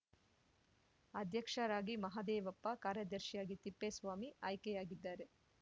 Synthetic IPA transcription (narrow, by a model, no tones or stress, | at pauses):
ɐd̪ʱjɐkʂɐɾaːɡimɐɦaːd̪eːʋɐpːɐkaːɾjɐd̪ɐɾʃjaːɡit̪ipːesʋaːmiaːjkɛjaːɡid̪ːaːɾe